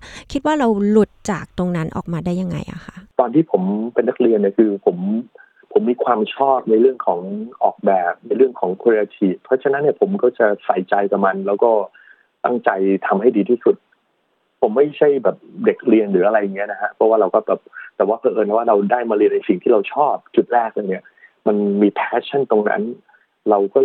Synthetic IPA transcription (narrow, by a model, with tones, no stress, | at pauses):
kʰi˦˥t̪̚waː˥˩ɾa˧wlu˨˩t̪̚t͡ɕaː˨˩k̚t̪o˧ŋna˦˥nʔɔ̰ː˨˩k̚maː˧daː˥˩ja˧ŋːa̰˧jʔa̰˨˩kʰa˦˥ʔt̪ɔː˧nt̪ʰiː˥˩pʰo˩˦mpe˧nːa˦˥k̚ɾi˧ənːi˥˩əkʰɯː˧pʰo˩˦m | pʰo˨˩˦mːiː˧kʰwaː˧mt͡ɕʰɔː˥˩t̪̚na˧jɾɯ˥˩əŋkʰɔː˩˦ŋʔɔː˨˩k̚bɛː˨˩p̚na˧jɾɯ˥˩əŋkʰɔː˩˦ŋkʰu˧ɾe˧ʔa˧t͡ɕ̪ʰiː˨˩pʰɾɔ˦˥t͡ɕʰa˧na˦˥nːi˥ɐpʰo˩˦mkɔː˥˩t͡ɕa˨˩sa˨˩jt͡ɕa˧jka˨˩ma˧nlɛː˦˥wkɔː˥˩ | t̪a̰˥˩ŋt͡ɕa˧jt̪ʰa˧mha˥˩jdiː˧t̪ʰiː˥˩su˨˩t̪̚ | pʰo˩˦mːa˥˩jt͡ɕʰa˥˩jbɛː˨˩p̚de˨˩k̚ɾi˧ənɾɯː˩˦ʔa˧ɾa˧jːa˨˩ŋːi˦˥ɐna˦˥kʰa˦˥pʰɔ˦˥waː˥˩ɾa˧wkɔː˥˩bɛː˨˩p̚t̪ɛː˨˩waː˥˩pʰɤː˧ʔɤː˧na˧˩waː˥˩ɾa˧wdaː˥˩jmaː˧ɾi˧ənːa˧jsi˨˩ŋt̪ʰiː˥˩ɾa˧wt͡ɕʰɔː˥˩p̚t͡ɕu˨˩ɾɛː˥˩k̚lɤː˧jni˥˩ɐ | ma˧nmiː˧pʰɛː˦˥t͡ɕʰa˥˩nt̪o˧ŋna̰˦˥n | ɾa˧wkɔː˥˩